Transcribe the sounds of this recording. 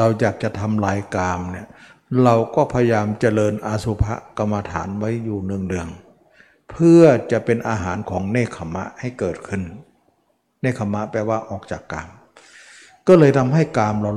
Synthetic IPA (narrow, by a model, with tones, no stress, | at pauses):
ɾa˧wjaː˨˩k̚t͡ɕa˨˩t̪ʰa˧mlaː˧jkaː˧mni˧˩ɐ | ɾa˧wkɔː˥˩pʰa˧ja˧jaː˧mt͡ɕa˧˩lɤː˧nʔaː˧su˧pʰa̰˦˥ʔka˧mːa˧t̪ʰa̰ː˩˦nwa˦˥jːuː˨˩nɯ˧əŋdɯ˧əŋ | pʰɯ˥˩ɐət͡ɕa˨˩ʔpe˧nʔaː˧ɦaː˩˦nkʰɔː˩˦ŋneː˥˩kʰa˧mːa̰˦˥ʔha˥˩jkɤː˨˩t̪̚kʰɯ˧˥˩n | neː˥˩kʰa˧mːa˦˥ʔpɛː˧waː˧˥˩ʔɔː˨˩k̚t͡ɕaː˨˩kːaː˧m | kɔː˥˩lɤː˧jt̪ʰa˧mɦa˥˩jkaː˧mɾa˧